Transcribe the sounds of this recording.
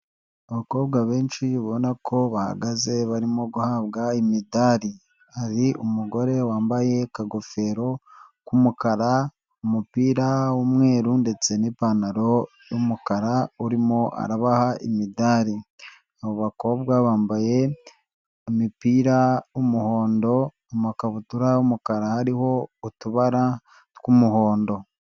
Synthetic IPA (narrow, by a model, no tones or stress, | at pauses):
oβako̞ːbɡaβeːnʃiβo̞nakʰo̞βaha̰ɡaze̞βaɾimo̞ɡuhaːβɡaimidaɾi | aɾiʔumuɡo̞ɾe̞waːmbaje̞kaɡo̞fe̞ɾo̞kumukaɾa | umupiːɾawumŋe̞ːɾunde̞t͡se̞nipanaɾo̞ | jumukaɾauɾimo̞ʔa̰ɾaβahaʔimidaːɾi | aβoβako̞ːbɡwaβaːmbaje̞ | mipiːɾaumuho̞ːndo̞ | omakaβutuɾaumukaɾahaɾiho̞utuβaɾa | tkumuho̞ːndo̞